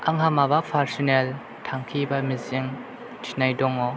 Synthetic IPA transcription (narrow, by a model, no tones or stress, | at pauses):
ʔaŋhamabaʔfʰaɾsinɛl | tʰaŋkʰibamiziŋ | tʰi̥najdɔŋːɔ